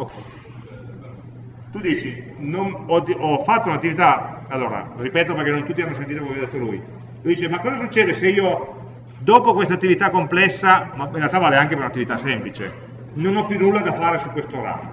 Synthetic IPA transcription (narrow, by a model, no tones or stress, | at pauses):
o | t̪ud̪iːt͡ʃinonɔd̪ɔfat̪ːounat̪ːivit̪aalːoːɾa̰ripɛːt̪opeɾrkenːont̪ut̪ːianːos̬ent̪iːt̪okomekjad̪et̪ːoluj | lud̪iːt͡ʃemakːɔːzas̬ut͡ʃːeːd̪eseiːo | d̪ɔːpokwest̪at̪ːivit̪akːomplɛsːamainrɾealt̪avaːleaŋk̟epeɾunat̪ːivit̪asɛmplit͡ʃḛ | nonɔpːjunːulːad̪afaːɾesukːwest̪oɾa̰m